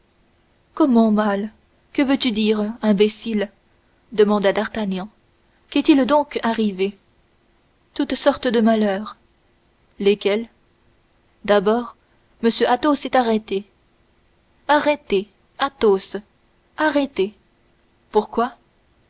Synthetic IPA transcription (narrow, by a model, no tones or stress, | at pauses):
kɔmɑ̃mal | kəvøt̪yd̪iʁɛ̃bɛsil | d̪əmɑ̃d̪ad̪aʁt̪anjɑ̃ | kɛt̪ild̪ɔ̃kaʁive | t̪ut̪sɔʁt̪əd̪əmalœːʁ | lekʲɛl | d̪abɔːʁ | məsjøʔat̪osɛt̪aʁɛt̪e | aʁɛt̪e | at̪os | aʁɛt̪e | puʁkwa